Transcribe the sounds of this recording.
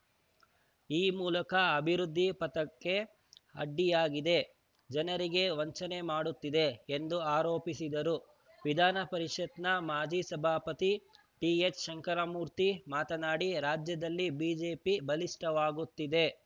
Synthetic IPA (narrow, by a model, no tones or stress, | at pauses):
iːmuːlɐkɐɐbʱiɾud̪ʱːipɐt̪ɐkːe̞ | ɐ̰ɖːijaːɡid̪e̞ | d͡ʒɐnɐɾiɡe̞ʋɐɲt͡ʃɐne̞maːɽut̪ːid̪e̞ːnd̪uaːɾoːpisid̪ɐɾu | ʋid̪ʱaːnɐpɐɾiʂɐt̪nɐmaːd͡ʒisɐbʱaːpɐt̪i | ʈiet͡ʃʃɐŋkɐɾɐmuːɾt̪imaːt̪ɐnaːɽiɾaːd͡ʒjɐd̪ɐlːibiːd͡ʒe̞ːpibɐliʂʈɐʋaːɡut̪ːid̪e̞